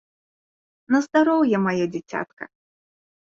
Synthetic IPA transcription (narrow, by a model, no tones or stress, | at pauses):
nɐzd̪aɾɔwjɛmajad͡zʲit͡sʲa̰t̪kɐ̰